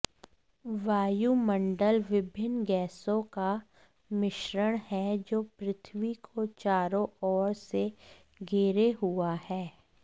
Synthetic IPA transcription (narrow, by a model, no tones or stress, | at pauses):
ʋaːjumə̃ɳɖəlʋɪbʱɪnɡɛːsõka | mɪʃɾəɽ̃hɛd͡ʒoːpɾɪt̪ʰʋikʰot͡ʃaːɾõɔːɾse | ɡʱeːɾeɦʊahɛː